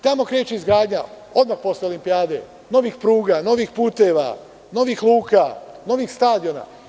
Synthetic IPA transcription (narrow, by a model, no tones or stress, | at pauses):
t̪amo̞kɾe̞ːt͡ʃeizɡɾaːd̪ɲa | o̞d̪maxpo̞sleo̞limpiaːd̪e̞̰ | no̞ʋixpɾuːɡano̞ʋixpuːt̪e̞ʋa̰ | no̞ʋixlˠuːkano̞ʋixst̪aːd̪io̞na̰